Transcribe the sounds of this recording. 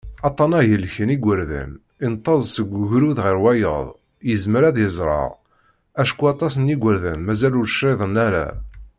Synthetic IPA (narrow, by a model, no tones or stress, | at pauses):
ɑt̪ˤːɑnæjəlçəniɡʷəɾðæ̰n | int̪ˤːɑzˤsəɡʷːuʝɾuðʁiɾwæjə̰ðˤ | jəzməɾæðjəzˤɾˤɑ̰ʁ | æʃkuɑt̪ˤɑsəniɡʷəɾðænmæzælʊɾʃɾˤeðˤənæɾæ̰